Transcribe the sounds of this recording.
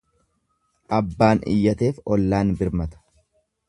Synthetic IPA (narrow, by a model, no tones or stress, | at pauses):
ʔɐbːaːnɪ̰jːɐt̪e̞ːfɔlːaːnbɪɾmɐt̪ɐ̥